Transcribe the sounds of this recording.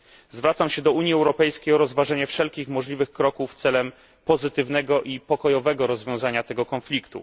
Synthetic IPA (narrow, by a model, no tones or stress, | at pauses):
zvɾat̪samɕɛd̪ɔuɲjiɛwɾɔpɛjskʲejɔɾɔzvaʐɛɲɛfʂɛlkʲixmɔʐlʲivɘxkɾɔkuft̪sɛlɛm | pɔzɘt̪ɘvn̪ɛɡɔʔipɔkɔjɔvɛɡɔɾɔzvʲjɔ̃w̃zaɲat̪ɛɡɔkɔnflʲikt̪ṵ